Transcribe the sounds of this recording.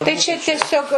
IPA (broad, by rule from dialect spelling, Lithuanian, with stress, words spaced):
tɐɪ t͡ʃʲɛ tʲiɛˈsʲoːk